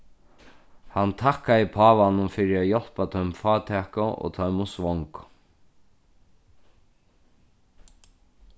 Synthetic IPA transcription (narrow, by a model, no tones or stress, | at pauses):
hant̪ʰakːajɪpʰaːvanʊmfɪɾɪajɔl̥pat̪ʰœɥmfaːt̪ʰɛːkʊʔɔ̰ːt̪ʰœɥmʊsvɔŋk